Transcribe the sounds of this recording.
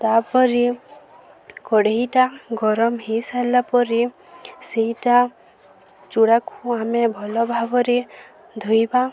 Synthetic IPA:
t̪apɔɾi | kɔɽeɦiʈaɡɔɾɔmɦisalapɔɾi | seɦiʈa | t͡ʃuɽakʰũamebʱɔlɔbʱabɔɾe | d̪ʱojba

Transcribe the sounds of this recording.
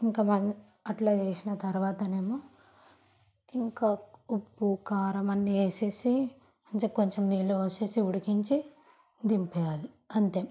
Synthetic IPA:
iŋkaːmɐn | ɐʈlaːt͡ʃeːsinɐt̪ɐɾuʋaːt̪ɐne̞ːmo | iŋkaːupːukaːɾɐmɐnːieːseːsi | ɐnt͡ʃeko̞ɲt͡ʃemniːlːuʋɐseːsiuɽikiɲt͡ʃi | d̪impɛjaːli | ɐnt̪e

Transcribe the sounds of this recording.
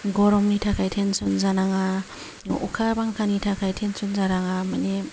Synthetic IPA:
ɡɔɾɔmnitʰakʰajtʰensɔnzanaŋa | ṵkʰabaŋkʰanitʰakʰajtʰensɔnzaɾaŋamane

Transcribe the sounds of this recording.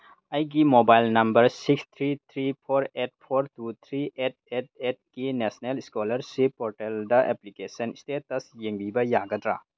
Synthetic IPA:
ɐjɡimobajlnɐmbɐɾsikst̪ʰɾit̪ʰɾipʰoɾet̚pʰoɾtut̪ʰɾiet̚et̚et̚ɡinesneliskolɐɾsipɔɾʈeldɐʔeplikesɐnistetɐsjeŋbibɐjaɡɐdɾa̰

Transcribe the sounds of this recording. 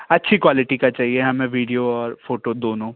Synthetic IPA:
ɐtːʃʰikwaːlɪʈikat͡ʃaːɦieɦɐmẽʋiːɖijoɔːɾfoːʈod̪oːnõː

